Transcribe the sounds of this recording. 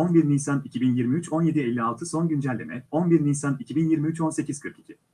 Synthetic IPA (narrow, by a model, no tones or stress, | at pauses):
onbiɾnisanicʰibinjiɾmiyt͡ʃʰo̞nje̞d̪iɛlʲːialˠt̪ʰɯso̞nɟynd͡ʒɛlʲːemɛ̰o̞nbiɾniːsanicʰibinjiɾmiyt͡ʃo̞nse̞cʰiz̥kʰɯɾki̥cʰi